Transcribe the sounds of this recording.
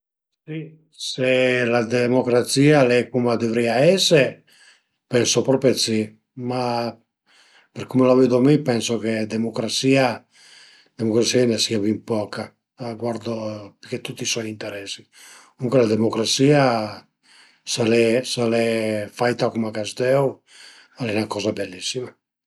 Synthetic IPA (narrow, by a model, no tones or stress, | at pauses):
si | selad̪emokɾat̪siːalɛkumad̪evɾiaɛse | pɛnsopɾɔpɾet̪si | ma | peɾkumelaved̪omipɛnsoked̪emokɾat̪siːa | d̪emokɾat̪sianasiavimpɔka | ɡwaɾd̪opik̟et̪ːut̪ːisɔjint̪eɾɛsi | uŋkelad̪emokɾasiːa | salɛsalɛfajt̪akumakasd̪ɛw | alɛnakɔːzabelːisːima